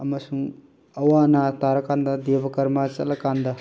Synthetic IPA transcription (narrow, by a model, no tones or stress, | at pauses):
ɐmɐsuŋ | ɐwanɐtaɾɐkand̪ɐd̪ebɐkɐɾmɐt͡ʃɐ̰tlɐkand̪ɐ